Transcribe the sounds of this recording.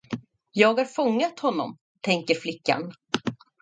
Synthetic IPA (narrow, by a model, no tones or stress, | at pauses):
jɑːɡhaɾfɔŋːat̪hɔnːɔ̰m | t̪ʰɛŋkəɾflɪkːa̰n